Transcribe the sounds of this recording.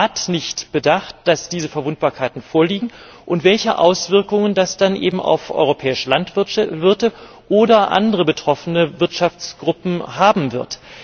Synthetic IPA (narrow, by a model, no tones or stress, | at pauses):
atnɪçtb̥ədaχt̚d̥asd̥iːzəfɛɐvʊnt̚b̥aːɐkʰaɪtn̩foːɐliːɡŋ̩ | ʔʊntv̥ɛlçəʔa̰ʊsv̥ɪɐkʊŋəndasd̥anʔḛːbm̩ʔa̰ʊfʔɔ̰ʏʁopʰɛːɪʃəlantvvɪɐtə | ʔoːdɐʔa̰ndəʁəbətʁ̥ɔfənəvɪɐtʃaft͡sɡ̥ʁʊpm̩haːbm̩vɪɐt